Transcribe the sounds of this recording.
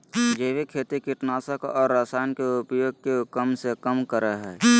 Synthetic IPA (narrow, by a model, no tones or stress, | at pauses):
d͡ʒeːʋikʰeːt̪ikiʈnaːsəkɔːɾːaːsaːjnkeʊpjoːɡ̚kekəmsekəmkəɾəɦɛː